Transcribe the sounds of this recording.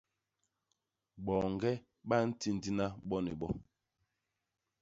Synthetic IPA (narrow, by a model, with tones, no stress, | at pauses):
ɓɔ˨ŋ˨ɡɛ˦ | ɓa˦n̩˦ti˦n˨di˦na˦ɓɔ˦nḭ˨ɓɔ˦